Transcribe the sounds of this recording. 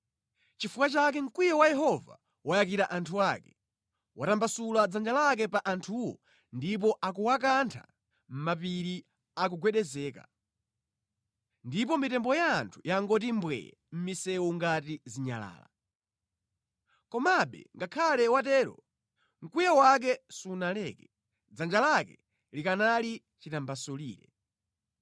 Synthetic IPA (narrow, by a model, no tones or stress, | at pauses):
t͡ʃifukat͡ʃak̬ɛŋ̩kwijawajɛɦɔva̰ | wajakiɾaʔantʰuakɛ̥ | watambasulad͡zand͡ʒalak̬ɛpaʔantʰuwɔ̰ | ndip̬ɔʔakuwakantʰa̰ | m̩map̬iɾi | ak̬uɡwɛɗɛzɛːka̰ | ndip̬ɔmitɛmbɔjaːntʰu̥jaŋɡɔtimbwɛ̰jɛ̰m̩misɛwuŋɡatiziɲa̰la̰ːla | kɔmaɓɛ̰ŋɡakʰalɛwatɛːɾɔ̰ | ŋ̩kujawak̬ɛsunalɛːkɛ | d͡zand͡ʒalakɛ̰ | likanali | t͡ʃitambasɔliːɾɛ̰